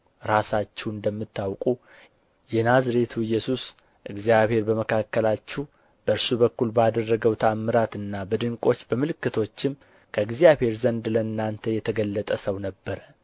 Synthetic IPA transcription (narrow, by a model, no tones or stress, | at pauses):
ɾasat͡ʃːɛwɨnd̪əmːɨt̪ːawkʼu | jɛnazɾet̪ʰuɨjːɛsus | ʔɨɡzijaβhe̞ɾbəməkʰakːəlat͡ʃːɛw | b̥əɨɾsubəkːulbad̪ərːəɡəwt̪ʰamːɨɾat̪ɨnːabəd̪ɨŋkʼo̞t͡ʃːbəmɨlɨkːɨt̪ʰo̞t͡ʃːɪm | kʰəɨɡzijabhe̞ɾzənd̪ləɨnːant̪ʰəjɛt̪ʰəɡəlːət̪ʼəsəwnəbːəɾə